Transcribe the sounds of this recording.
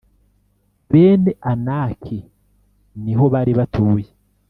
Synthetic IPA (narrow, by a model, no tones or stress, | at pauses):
βe̞ːneʔanaːkʰi | niɦo̞βaɾiβatʰuːje